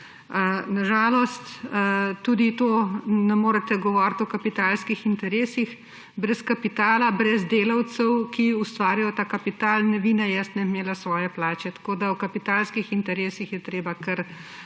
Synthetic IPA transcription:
naʒaːlɔst̪t̪uːd̪it̪oːnɛmoːɾɛt̪ɛɡɔʋɔːɾt̪ɔkɐpit̪aːlskixint̪ɛɾeːsix | bɾɛskɐpit̪aːlabɾɛzd̪eːlawt̪sɛwkiust̪ʋaːɾijɔt̪aːkɐpit̪aːlnɛʋiːnɛjɛst̪nɛmeːlasʋɔːjɛplaːt͡ʃɛt̪ḁkoːd̪awkɐpit̪aːlskixint̪ɛɾeːsixjɛt̪ɾeːbakɛɾ

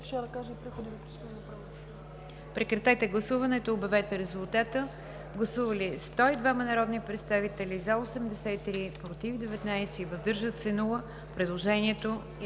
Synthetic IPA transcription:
ʃad̪ɐkaʒɛipɾɛxod̪izɐpɾt͡ʃt̪inopɾav | pɾɛkɾɛt̪ɛt̪ɛɡlˠɐsuvɐnɛt̪oːbɛvɛt̪ɛɾɛzʊlˠt̪at̪ə | ɡlˠɐsuvəlist̪ɔid̪vamɐnɐɾɔd̪nipɾɛt̪st̪avit̪ɛlizaosɛmd̪ɛsɛit̪ɾipɾot̪ivd̪ɛvɛt̪najsɛivəzd̪ɤɾʒət̪sɛnulˠə | pɾɛd̪lˠoʒɛniɛt̪o

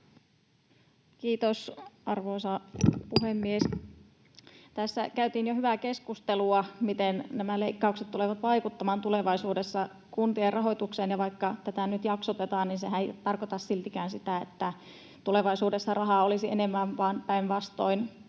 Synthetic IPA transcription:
kiːt̪osʔɑrʋoˑsɑpuhemːies | t̪æsːæ̰kæyt̪iːnjohyʋækeskust̪eluɑmit̪ennæmæleikːɑukset̪t̪uleʋɑt̪ʋɑikut̪ːɑmɑːnt̪uleʋɑisuːdesːɑ | kunt̪ierʔɑɦojt̪ukseːnjɑʋɑikːɑt̪æt̪ænyt̪jɑksot̪et̪ɑːnninseɦæejt̪ɑrkot̪ɑssilt̪ikæːnsit̪æḛt̪ːæ | t̪uleʋɑisuːdesːɑrɑɦɑolisienemːæmʋɑnpæinʋɑst̪oin

